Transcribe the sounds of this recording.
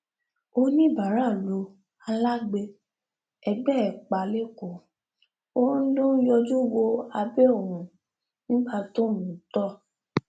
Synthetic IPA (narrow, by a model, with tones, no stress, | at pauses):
o˧˦nĩ˦˨ba˨ɾa˦˨lo˨˦ | a˧la˦ɡ͡be˧ | ɛ˧ɡ͡bɛ˦ɛ˨k͡pa˨le˦ko˨ | õ˦n̩˦dõ˦jɔ˧d͡ʒu˦wo˧a˧bɛ˦o˦˨ɾũ˨ | nĩ˦ɡ͡ba˧to˦˨mũ˨˦tɔ˦